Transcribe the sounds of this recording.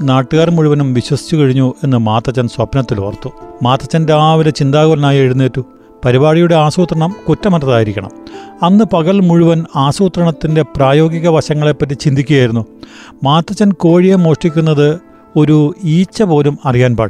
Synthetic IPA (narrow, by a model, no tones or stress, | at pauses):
naːʈːɨɣaːrmuɻuʋɐnumʋiɕwɐsi̥t͡ɕːukɐɻiɲːue̞nːɨmaːt̪ːɐt͡ɕːɐnswɐpnɐt̪ːil̰ɐ̰rt̪ːumaːt̪ːɐt͡ɕːɐndeaːʋilɐt͡ɕind̪aːɣolɐnaːjeɽunːeːtːu | pɐɾibaːɻijuɽeaːsuːt̪rɐɳɐmkutːɐmɐtːɐðaːjiɾikʲːɐɳɐ̰mɐnːɨpɐɣɐɭmuɻuʋɐnaːsuːt̪rɐɳɐt̪ːinde̞praːjo̞ːɡiɣɐʋɐɕɐŋːɐɭe̞pːɐtːit͡ɕind̪ikʲːuɣjaːjiɾunːumaːt̪ːɐt͡ɕːɐnko̞ːɻijemo̞ːʂʈikʲːunːɐðɨ | o̞ɾuiːt͡ɕːɐpo̞ːlumɐrijaːnpa̰ːɽ